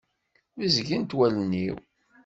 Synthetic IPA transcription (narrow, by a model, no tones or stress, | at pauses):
izɡint̪wælənːḭw